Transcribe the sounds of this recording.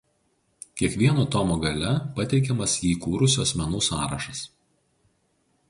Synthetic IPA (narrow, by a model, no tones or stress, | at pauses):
kʲiɛkʋʲiɛnoːt̪ɔmoːɡɐlʲɛpɐt̪ʲɛɪkʲɛmɐsiːkuːɾʊsʲʊɐsʲmʲɛnuːsɑːɾɐʃɐs